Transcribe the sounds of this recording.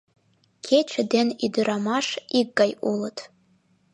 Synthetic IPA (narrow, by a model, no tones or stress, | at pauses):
kʰet͡ɕʰɘ̆d̪enid̪ə̆ɾɑmɑʃik̚ɡɑjulɤt̪